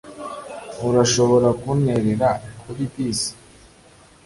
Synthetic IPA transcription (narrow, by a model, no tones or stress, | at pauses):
uɾaʃo̞βo̞ɾakuneɾeɾakʰuβibiːsi̥